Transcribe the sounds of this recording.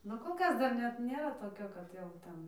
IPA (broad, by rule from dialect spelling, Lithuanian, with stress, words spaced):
ˈnʊ koːlˠ ˈkɐs dɐr ˈnʲɛt ˈnʲeːrɐ toːˈkʲoː kɐt jɛʊ ˈtʲɛn